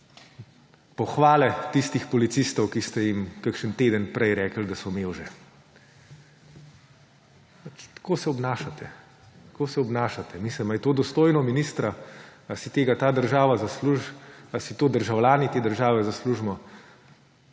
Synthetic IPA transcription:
pɔxʋaːlɛt̪ist̪ixpɔlit̪sist̪ɔwkist̪ɛjimkəkʃənt̪eːd̪ənpɾɛjɾɛːkəld̪asɔmeːwʒɛ | pat͡ʃt̪koːsɛɔbnaːʃat̪ʰɛ | t̪koːsɛɔbnaːʃat̪ɛmisləmajt̪oːd̪ɔst̪oːjnɔminist̪ɾaasit̪eːɡat̪aːd̪əɾʒaːʋazasluʒasit̪oːd̪əɾʒawlʲjaːnit̪eːd̪əɾʒaːʋɛzasluʒmɔ

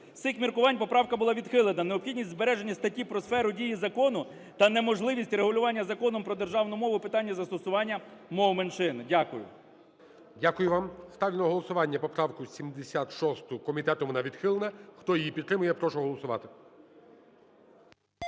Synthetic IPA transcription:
sɪxmʲirkʊʋɑnʲpɔpɾɑwkɐbʊlˠɑʋʲid̪xɪlˠenɐneɔpxʲidʲnʲisʲtʲzbeɾɛʒenʲːɐst̪ɐtʲipɾɔsfɛɾʊdʲijizɐkɔnʊ | t̪ɐnemɔʒlˠɪʋʲisʲtʲɾeɦʊlʲʊʋɑnʲːɐzɐkɔnɔmpɾɔd̪erʒɑwnʊmɔʋʊpɪt̪ɑnʲːɐzɐst̪ɔsʊʋɑnʲːɐmɔmenʃɪndʲakʊjʊ̰ | dʲakʊjʊʋɑmst̪ɑʋʲlʲinɐɦɔlˠɔsʊʋɑnʲːɐpɔpɾɑwkʊsʲimd̪esʲat̪ʃɔst̪ʊkɔmʲit̪ɛt̪ɔʋɔnɑʋʲid̪xɪlˠenɐxt̪ɔjijipʲit̪ːɾɪmʊjɛpɾɔʃɔɦɔlˠɔsʊʋɑ̰t̪ɪ

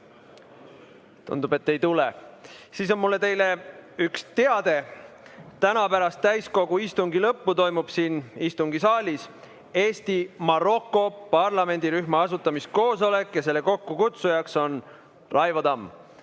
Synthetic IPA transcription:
t̪ṵnd̪̥ube̞t̪ːe̞jt̪ulesiːs̬o̞nmulːe̞t̪e̞jle̞ykst̪e̞ɑd̪̥e̞ | t̪ænɑpæɾɑst̪ːæjsko̞ɡ̥uist̪uŋɡilɤpːut̪o̞jmub̥siːnist̪uŋɡisɑːlʲis | e̞ːst̪imɑɾo̞kːˑo̞pɑrlɑme̞nʲd̪̥iɾyhmɑɑsut̪ːˑɑmist̪̚ko̞ːso̞le̞kːˑjɑse̞lːe̞ko̞kːukut̪sujɑkso̞n | rɑjvɑd̪ɑm

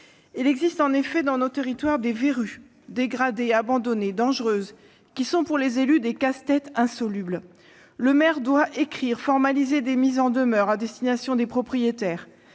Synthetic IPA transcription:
ilɛɡzist̪ɑ̃nefɛd̪ɑ̃not̪eʁit̪waʁd̪eveʁy | d̪eɡʁad̪eabɑ̃d̪ɔned̪ɑ̃ʒʁøz | kʲisɔ̃puʁlezelyd̪ekast̪ɛt̪ɛ̃sɔlybl | ləmɛʁd̪waʔekχiʁfɔʁmalized̪emizɑ̃d̪əmœʁad̪ɛst̪inasjɔ̃d̪epχɔpχijet̪ɛːʁ

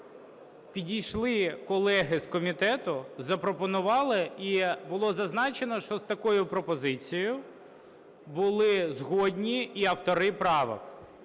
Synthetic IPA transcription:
pʲidʲijʃlˠɪkɔlˠɛɦɪskɔmʲit̪ɛt̪ʊzɐpɾɔpɔnʊʋɑlˠɪibʊlˠɔzɐznɑt͡ʃenɔʃt͡ʃɔst̪ɐkɔjʊpɾɔpɔzɪt͡sʲijʊ | bʊlˠɪzɦɔdʲnʲiːɐwt̪ɔɾɪpɾɑʋɐ̰x

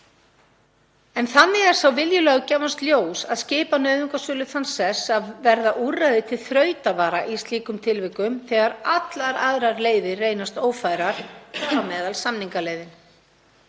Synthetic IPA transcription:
ɛnθanːɪɣɛɾ̥sawvɪljʏlɛːɣcɛːvanst̪ljoːwsaðscɪːpanœːɥðʏŋkasœːlʏθansɛsaðvɛɾðaʔurːajðɪt̪ʰɪlθɾœːɥt̪avaːɾaʔist̪liːkʏmt̪ʰɪlvɪkʏmθɛɣaɾat̪laɾa̰ðɾaɾleːjðɪrejnast̪oːwfaːjɾaɾ̥awmɛːðalsamniŋkaleːjðɪn

